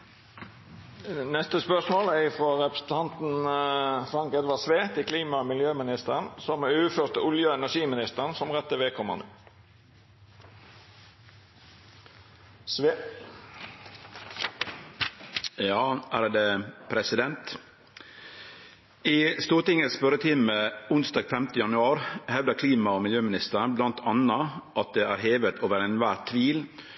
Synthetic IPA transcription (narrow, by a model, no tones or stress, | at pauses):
nɛst̪əspœsmoːlæɪfɾoːɾɛpɾəsn̩t̪ʰɑnt̪n̩ | fɾɑŋkɛd̪ʋɑsʋeːt̪ɪkʰliːmɑmɪljøːmɪnɪst̪əʁənsɔmʉːføt̪əʊljøːɛnæʂiːmɪnɪst̪əʁənsɔmʁɛt̪ːəʋɛːkʰɔmɑ̰nd̪ə | jɑːʔæːɾd̪eːpʰɾɛsɪd̪ɛnt̪ | iːst̪uːɾʈ̪ɪŋəsfœɾət̪ʰɪməʊnsd̪ɑːɡfɛmt̪əjɑnʉɑːɾhɛʋd̪əkʰliːmɑoːmɪljøːmɪnɪst̪əɾblɑnt̪ʰɑnɑʔɑt̪̚d̪eːʔæːɾheːʋət̪ʰoːʋəɾɛɪnʋæːt̪ʰːʋiːl